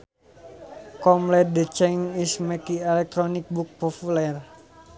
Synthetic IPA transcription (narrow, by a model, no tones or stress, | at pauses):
kɔmlɛdət͡ʃɛŋismɛkiɛlɛk̚t̪ɾɔnik̚buk̚populɛr